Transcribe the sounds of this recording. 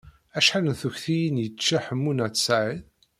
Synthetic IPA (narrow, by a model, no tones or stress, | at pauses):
æʃħalənθuçθijinjət͡ʃːaħəmːunæt̪ːə̥sʕið